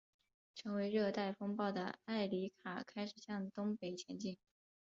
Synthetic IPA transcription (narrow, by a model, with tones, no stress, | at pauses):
ʈ͡ʂʰɤ˧˥ŋwe˧˥ɪɻɤ˥˧t̪a˥˩ɪfʊ˥ŋpɑ˥˩ʊd̪ə˩a˥˩ɪli˧˥kʰa˨˩kʰa˥ɪʂɻ̩˨˩ɕjɑ˥˩ŋt̪ʊ˥ŋpe˨˩ɪt͡ɕʰjɛ˧˥nt͡ɕi˥˩ŋ